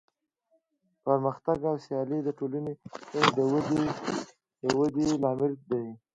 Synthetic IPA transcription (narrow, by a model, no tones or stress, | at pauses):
pəɾməxt̪aɡawsjɑlid̪əʈolanesɪnd̪əwd̪e | jəwəd̪elɑmɪld̪aj